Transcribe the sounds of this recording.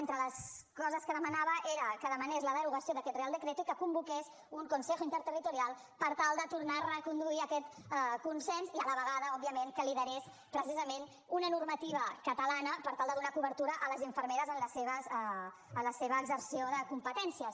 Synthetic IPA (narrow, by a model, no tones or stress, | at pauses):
ent̪ɾələskɔzəskəðəmənaβəʔeɾəkəðəmənezləðəɾuɣəsioðəkɛt̪̚realˠd̪əkɾet̪uikəkumbukes | uŋkunsexuint̪əɾt̪ərit̪uɾialˠ | pəɾt̪alˠd̪ət̪uɾnarəkund̪uiəkɛt̪ | kunsɛnziələβəɣaðəɔb̚iəmeŋkəliðəɾes | pɾəsizəmen | unənurmət̪iβəkət̪əlanəpəɾt̪alˠd̪əðunakuβəɾt̪uɾəʔələzəɱfəɾmeɾəzənləseβəzɛ | ənləseβəːɡzəɾsioðəkumpət̪ɛnsiəs